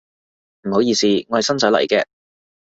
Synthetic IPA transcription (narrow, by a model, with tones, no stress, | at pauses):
m̩˨˩ho˨˥wjiː˧siː˧ŋɔː˨˧hɐ˨jsɐ˥nt͡sœ˨˥lɐ̰˨˩jkɛː˧